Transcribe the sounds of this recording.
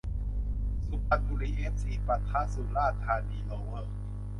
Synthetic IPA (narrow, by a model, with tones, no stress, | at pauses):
su˧˦pa˨˧t̪̚bu˧liː˧˨ʔe˦˥p̚siː˧˩pa˧t̪ʰːaː˧˥su˧˦laː˥˩t̪ʰaː˧niː˧lo˨˦wə˧˩